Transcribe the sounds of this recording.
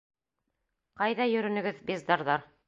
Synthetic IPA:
qɑjðɑjɵ̆ɾɵ̆nɵ̆ɡɘðbezd̪ɑɾðɑɾ

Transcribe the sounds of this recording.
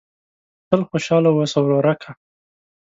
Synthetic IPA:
t̪əlxoʃɑlawosawɾoɾakʰa

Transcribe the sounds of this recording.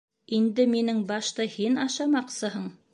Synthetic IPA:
ind̪ɘminɘŋbɑʃt̪ɤhinɑʃɑmɑqsɤɦɤɴ

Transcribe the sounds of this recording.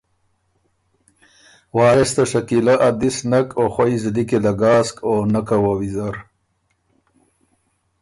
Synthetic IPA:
wɑːɾɪst̪aʂakilaʔad̪isnakoxwajzd̪ikelaɡɑːskonakawawizaɾ

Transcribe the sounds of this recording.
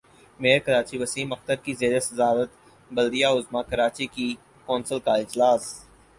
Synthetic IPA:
meːɾkɐɾaːt͡ʃiʋɐsiːmɐxt̪əɾkizeːɾesɐzaːɾət̪ | bɐld̪ijaʊzmakɐɾaːt͡ʃiki | kɔːnsəlkaɪd͡ʒlaːs

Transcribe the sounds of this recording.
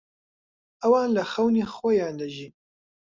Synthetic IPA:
ʔɐwaːnlɐxɐwniːxwojaːnd̪ɐʒiːn

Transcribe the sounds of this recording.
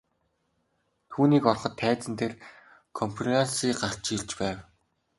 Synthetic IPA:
t̪ʰuːniːkɔrχɞ̆t̪ʰːæːt͡sɘ̆nt̪ʰer | kʰɔmpʰrasiːɢar̥t͡ɕiɮt͡ɕpæːw

